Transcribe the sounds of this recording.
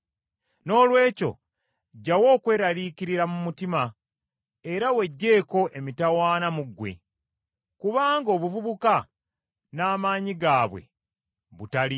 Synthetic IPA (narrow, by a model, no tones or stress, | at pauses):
no̞ːlwe̞ːco̞̰ | ɟːawo̞ːkwe̞ːɾaɾiːciɾiɾamumutima | e̞ɾawe̞ɟːe̞ːko̞ʔe̞mitawaːnamuɡːwe̞̰ | kuβaːŋɡo̞ːβuvuβuka | naːmaːɲiɡaːβwe̞̰ | βutali